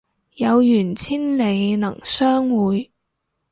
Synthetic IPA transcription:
jɐ˨˧wjyː˨˩nt͡sʰiː˥nle˨˧jnɐ̰˨˩ŋsœː˥ŋwuː˨˧j

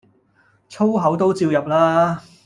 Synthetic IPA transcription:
t͡sʰo˥wɦɐ˨˥wt̪o˥wt͡siː˧wjɐ˨p̚laː˥

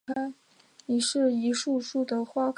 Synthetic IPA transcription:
a˥n | ni˨˩ʂɻ̩˥˩i˧˥ʂu˥˧ʂu˥˩d̪ə˩xwa˥kʰ

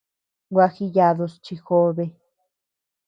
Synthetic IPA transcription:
wʷa˧xi˧ja˧ðo˧st͡ʃi˧xo˦βe˧

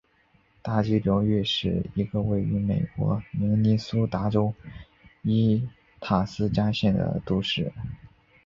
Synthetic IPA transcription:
t̪a˥˩t͡ɕy˥ljo˧˥ʊɥɛ˥˧ʂɻ̩˥˩i˧˥ɡə˧we˥˩ɪy˧˥me˨˩ɪkwɔ̰˧˥mi˧˥ŋni˥su˥t̪a˧˥ʈ͡ʂo˥ʊ | i˥ | t̪ʰa˨˩sɹ̩˥t͡ɕja˥ɕjɛ˥˩nd̪ə̰˩t̪u˧˥ʂɻ̩˥˩

